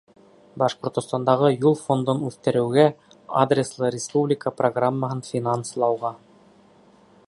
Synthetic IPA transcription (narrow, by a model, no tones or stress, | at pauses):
bɑʃqŏɾt̪ŏst̪ɑnd̪ɑʁɤjulˠfo̞nd̪onʉθt̪ɘ̆ɾɘ̆wɡæ | a̰d̪rʲeslˠɤɾʲɪspublʲɪkəproɡramːəɦɤnfʲinanslˠɑwʁɑ